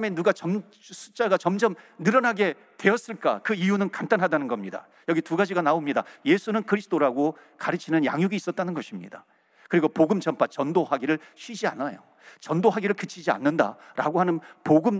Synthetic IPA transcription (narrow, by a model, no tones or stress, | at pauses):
me̞nuɡat͡ɕʌm | sʰu̥t͡ɕ͈aɡat͡ɕʌmd͡ʑʌmnɯɾʌnaɡe̞ | twe̞ʌs͈ɯɭk͈a̰kɯijunɯnkantanɦadanɯnɡʌmɲida̰ | jʌɡituɡad͡ʑiɡanaomɲida̰je̞sʰunɯnkɯɾisʰɯ̥t͈ʰoɾaɡo | kaɾɯt͡ɕʰinɯnja̰ŋjuɡiːs͈ʌt̚t͈anɯnɡʌɕʰimɲida | kɯɾiɡopoɡɯmt͡ɕʌmp͈ʰat͡ɕʌndohaɡiɾɯɭɕʰɥid͡ʑia̰najo̰ | t͡ɕʌndoɦaɡiɾɯɭkɯt͡ɕʰid͡ʑia̰nːɯnda̰ɾa̰ɡohanɯnpoɡɯm